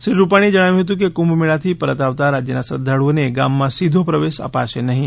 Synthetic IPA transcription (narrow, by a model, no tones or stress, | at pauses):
sɾiɾupaɽ̃id͡ʒəɽ̃aʋjũɦet̪ũk̬ekumbmeɭat̪ʰipəɾət̪aʋt̪aɾad͡ʑjənasɾə̰d̪ʱːaɽuʋneɡamːãsid̪ʱopɾəʋesə̰pa̰ʃenəɦĩ